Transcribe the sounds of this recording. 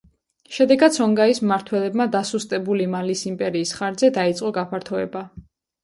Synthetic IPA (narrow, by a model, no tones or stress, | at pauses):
ʃɛd̪ɛɡat̪sʰɔŋɡaismaɾt̪ʰwɛlɛbmad̪asust̪ʼɛbulimalisimpʼɛɾiːsχaɾd̪zɛd̪ait̪sʼqʼɔɡapʰaɾt̪ʰɔɛba